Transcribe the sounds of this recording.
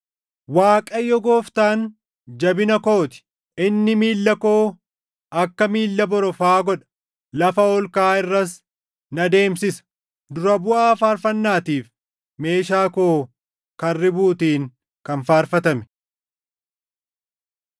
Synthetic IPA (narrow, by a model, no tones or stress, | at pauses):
waːkʼɐjːɔɡoːft̪aːn | d͡ʒɐbɪnɐko̞ːt̪ɪ̥ | ɪnːɪmiːlːɐko̞ː | ɐkːɐmiːlːɐbɔɾɔfaːɡɔᶑɐ̥ | lɐfɐɔlkaːɪrːɐs | nɐd̪e̞ːmsɪsɐ̥ | d̪ʊɾɐbʊʔaːfaːɾfɐnːaːt̪iːf | me̞ːʃaːkoː | kɐrːɪbuːt̪iːŋ | kɐnfaːɾfɐt̪ɐmɛ̥